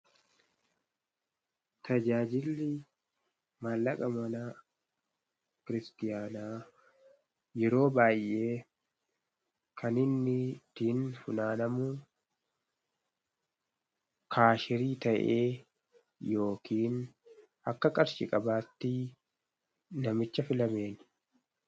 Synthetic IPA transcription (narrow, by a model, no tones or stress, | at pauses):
t̪ɐd͡ʒaːd͡ʒɪlːɪ | maːlːɐkʼɐmɐnaː | kɪɾɪst̪ɪjaːnaː | jɛɾo̞ːbaːjʔːe̞ː | kʰɐnɪnːɪt̪iːnfʊnaːnɐmuː | kʰaːʃɪɾiːt̪ɐʔeː | jo̞ːkʰiːn | ʔɐkːɐkʼɐɾʃɪkʼɐbaːt̪ːɪ | nɐmɪt͡ʃːɐfɪlɐme̞ːnɪ